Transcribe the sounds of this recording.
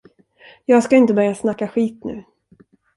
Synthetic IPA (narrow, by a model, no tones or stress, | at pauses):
jɑːɡskaɪnt̪əbœɾjasnakːaɧiːt̪nʉ̟̰ː